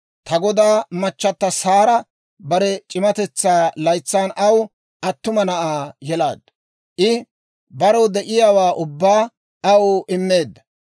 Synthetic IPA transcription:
t̪ɐɡɔd̪aːmɐt͡ʃːɐt̪ːɐsaːɾɐ | bɐɾɛt͡ʃʼɪmɐt̪ɛt͡sːaːlɐjt͡sːaːnɐw | ʔɐt̪ːʊmɐnɐʔaːjɛlaːd̪ | ʔɪ | bɐɾɔwd̪ɛʔɪjaːwaːʔʊbːaː | ɐwɪmːeːd̪ːɐ

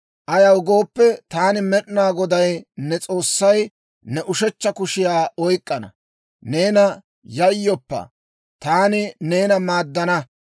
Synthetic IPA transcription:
ʔɐjɐwʊɡo̞ːpːɛt̪aːnɪmɛɗnaːɡɔd̪ɐjnɛt͡sʼo̞ːsːɐj | nɛʔʊʃɛt͡ʃːɐkʊʃɪjaːʔɔjkʼːɐnɐ̰ | ne̞ːnɐ | jɐjːɔpːɐ̰ | t̪aːnɪne̞ːnɐmaːd̪ːɐnɐ

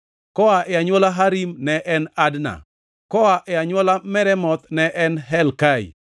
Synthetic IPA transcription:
kɔaʔɛaɲwɔlaɦaɾimnɛʔɛnadna̰ | kɔaʔɛaɲwɔlamɛɾɛmɔt̪nɛʔɛnɦɛlkaḭ

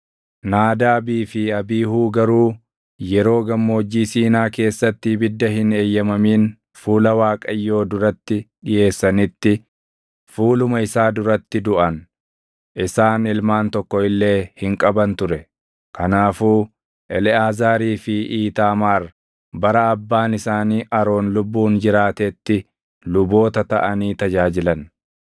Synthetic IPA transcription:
naːd̪aːɐbiːfɪɐbiːhuːɡɐɾuː | jɛɾo̞ːɡɐmːo̞ːd͡ʒːiːsiːnaːke̞ːsːɐt̪ːɪbɪd̪ːɐɦɪneːjːɐmɐmiːn | fuːlɐwaːkʼɐjːo̞ːd̪ʊɾɐt̪ːɪᶑɪje̞ːsːɐnɪt̪ːɪ | fuːlʊmɐɪsaːd̪ʊɾɐt̪ːɪd̪ʊʔɐn | ʔɪsaːnɪlmaːnt̪ɔkːɔɪlːe̞ːhɪŋkʼɐbɐnt̪ʊɾɛ | kɐnaːfuː | ʔɛlɪaːzaːɾiːfɪʔiːt̪aːmaːɾ | bɐɾɐɐbːaːnɪsaːniːʔɐɾo̞ːnlʊbːuːnd͡ʒɪɾaːt̪et̪ːɪ | lʊbo̞ːt̪ɐt̪ɐ̰ʔɐniːt̪ɐd͡ʒaːd͡ʒɪlɐn

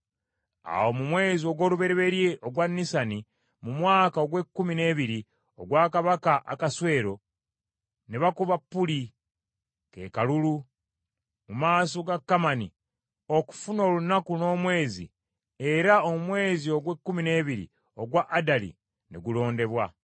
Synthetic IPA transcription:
a̰wo̞mumwe̞ːzio̞ɡwo̞ːluβe̞ɾeβe̞ɾje̞ʔoɡwanːisani | mumwaːkaoɡwe̞kːumine̞ːβiɾi | oɡwaːkaβakaʔa̰kaswe̞ːɾo̞ | neβakuβapːuli | ke̞̰kalulu | mumaːsoɡakːamani | o̞ku̥funo̞ːlunakuno̞ːmwe̞ːzḭ | eɾaomumwe̞ːzio̞ɡwe̞kːumine̞ːβiɾḭ | oɡwaʔadalḭ | neɡulo̞ːnde̞βwa

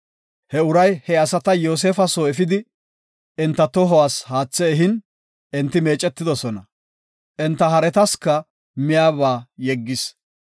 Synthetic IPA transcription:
hɛʊɾɐjhɛɐsɐt̪ɐjoːs̬eːfɐsoːɛfɪd̪ɪ | ɛnt̪ːɐt̪ɔɦɔwaːshaːt͡sːɛːɦɪn | ɛnt̪ːɪme̞ːt͡ʃʼɛt̪ːɪd̪ɔsɔnɐ | ʔɛnt̪ːɐɦɐɾɛt̪ɐskɐ | mɪjaːβaːjɛɡːɪs

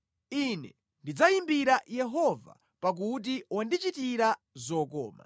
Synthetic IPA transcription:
inɛ̰ | ndid͡zajimbiɾajɛɦɔva̰ | pak̬ut̬iwandit͡ʃitiɾa | zɔkɔ̰ːma̰

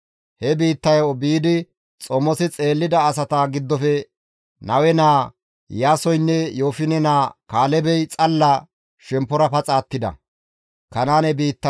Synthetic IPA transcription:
hɛbiːt̪ːɐjɔbiːd̪ɪ | t͡sʼɔmːɔsɪt͡sʼe̞ːlːɪd̪ɐːsɐt̪aɡɪd̪ːɔfɛ | nɐwɛnaː | jaːsɔjnːɛjoːfɪnɛnaːkaːlɛbɛjt͡sʼɐlːɐ | ʃɛmpːɔɾɐpɐt͡sʼaːt̪ːɪd̪ɐ̰ | kɐnaːnɛbiːt̪ːɐ

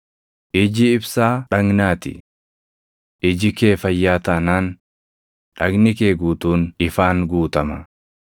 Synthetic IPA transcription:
ʔɪd͡ʒɪɪbsaːᶑɐŋnaːt̪ɪ̰ | ʔɪd͡ʒɪkeːfɐjːaːt̪ɐnaːn | ᶑɐɡnɪkeːɡuːt̪uːnɪfaːŋɡuːt̪ɐmɐ

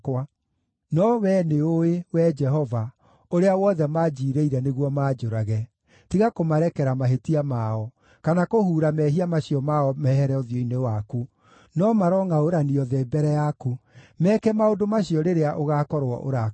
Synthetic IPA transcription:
kwa | nɔwɛːneoewɛd͡ʒɛɦɔva | oɾeawɔðɛmad͡ʒiːɾeiɾɛneɣwɔmaːd͡ʒoɾaɣɛ | tiɣakomaɾɛkɛɾamaɦetiamaɔ | kanakohuːɾamɛɦiamaɕiɔmaɔmɛɦɛɾɛɔðjɔinewaku | nɔmaɾɔŋaoɾaniɔðeːbɛɾɛjakumɛːkɛmaodomaɕiɔɾeɾeaʔoɣakɔɾwɔ̰ʔo̰ɾa

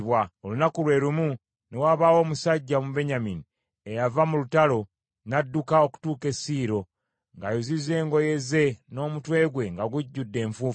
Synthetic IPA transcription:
βwaolunakulwe̞ːɾumu | newaːβaːwo̞ːmusaɟːamube̞ɲamini | e̞javamulutalo̞ | nadːukao̞ku̥tuːke̞siːɾo̞ | ŋɡajozizeːŋɡo̞je̞ze̞no̞ːmutwe̞ːɡwe̞ŋɡaɡuɟːudːe̞ːɱfuːf

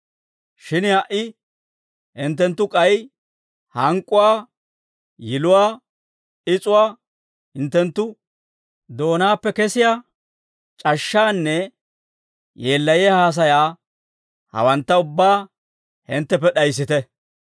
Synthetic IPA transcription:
ʃɪnhɐʔɪ | hɪnt̪̬ːɛnt̪ːʊkʼɐj | hɐŋkʼːʊwaː | jɪlʊwaː | ɪt͡sʼʊwaː | hɪnt̪ːɛnt̪ːʊ | d̪o̞ːnaːpːɛkɛsɪjaː | t͡ʃʼɐʃːaːnːɛ | jeːlːɐjehaːs̬ɐjaː | hɐ̰wɐnt̪ːɐʊbːaː | hɪnt̪ːɛp̬ːɛɗɐjs̬ːɪt̪ɛ

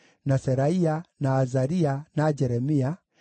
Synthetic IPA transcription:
nasɛɾaianaːzaɾianad͡ʒɛɾɛmia

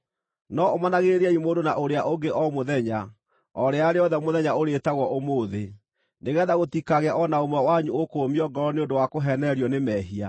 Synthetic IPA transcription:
nɔomanaɣeeɾeaimoːdonaʔoɾeaʔoɡeʔɔmoðɛɲa | ɔɾeaɾeɔðɛmoðɛɲaoɾetaɣwɔʔomoːðe | neɣɛːðaɣotikaɣeaʔɔnaomwɛwaɲuokomiɔɡɔɾɔneondowakoɦɛnɛɾiɔnemɛːɦia

